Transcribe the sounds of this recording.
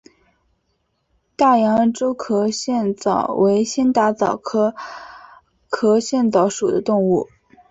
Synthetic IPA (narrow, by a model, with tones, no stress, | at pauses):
t̪a˥˩jɑ˧˥ŋ˧ʈ͡ʂo˥ʊkʰɤ˧˥ɕjɛ˥˩nt͡sɑ˨˩ʊwʔe˧˥ɪɕi˥nt̪a˥t͡sɑ˨˩ʊkʰɤ˥ | kʰɤ˧˥ɕjɛ˥˩nt͡sɑ˧˥ʊʂu˨˩d̪ə˦t̪ʊ˥˧ŋu˥˩